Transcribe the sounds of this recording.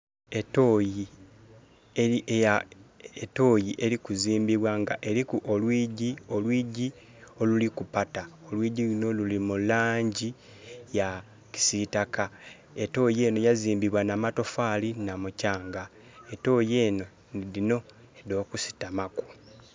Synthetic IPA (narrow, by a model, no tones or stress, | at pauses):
etoːji | eieaeto̞ːjiʔe̞ɾikuziːmbiβwaŋɡa̰ʔe̞ɾikuʔolwiːɟio̞lwiːɟi | o̞lulikupatao̞lwiːɟilino̞lulimulaːɲɟi | ja | ci̥sitaka | e̞to̞je̞ːno̞jaziːmbiβwanamato̞falinamucaːŋɡa | e̞to̞ːje̞no̞ | ðino̞ | eðo̞ːkusi̥tamaku̥